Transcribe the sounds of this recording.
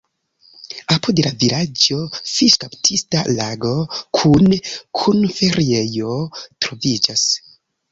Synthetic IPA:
apudelavilad͡ʒo̞fiʃkaptʰistalaɡo̞kʰunkʰunfeɾie̞jo̞tɾo̞vid͡ʒas

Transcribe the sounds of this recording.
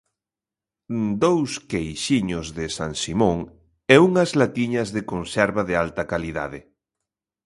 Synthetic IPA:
d̪owskejʃiɲozðɪsa̰ŋsimõŋ | ɛuŋɐzlat̪iɲɐzðekonsɛɾβaðɪalt̪ɐkaliða̰ðɪ

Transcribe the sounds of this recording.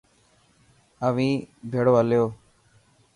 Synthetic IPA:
əʋĩːbʱeːɽoːəljoː

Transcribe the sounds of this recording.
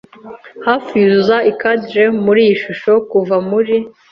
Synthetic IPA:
hafizaikadɾemuɾiːjiʃuʃo̞kuvamuɾi

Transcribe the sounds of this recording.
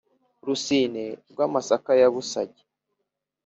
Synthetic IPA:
ɾusineɾɡwaːmasakajaβusaɟe̥

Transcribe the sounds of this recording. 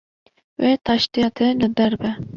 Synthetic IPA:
wet̪ʰɑʃt̪ijɑt̪ʰelɨbɛɾbɛ

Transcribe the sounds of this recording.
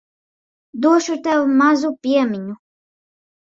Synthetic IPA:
d̪uɔʃut̪avumazupʲiɛmʲiɲu

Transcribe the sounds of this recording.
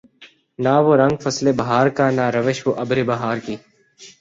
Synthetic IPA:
naːʋoːɾə̃ŋɡfəsleːbəɦaːɾkaːnaːɾəʋeːʃʋoːʔəbɾeːbəɦaːɾkiː

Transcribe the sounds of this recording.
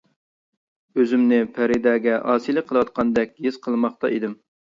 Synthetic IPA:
øzymnɪpʰæɾɪd̪ɛːɡʲɛʔɑːsilˠɨqʰəlˠɨwɑt̪̚qʰɑnd̪ɛkʲjiz̥qʰəlˠmɑχt̪ɑ̰ʔid̪ɪm

